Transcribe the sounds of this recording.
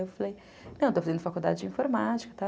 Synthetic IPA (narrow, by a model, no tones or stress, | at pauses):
ewfalej | nɐ̃wet̪ofazẽnd̪ʊfakuwd̪a̰d͡ʒɪd͡ʒɪĩfoɾmat͡ʃi̥kɐt̪a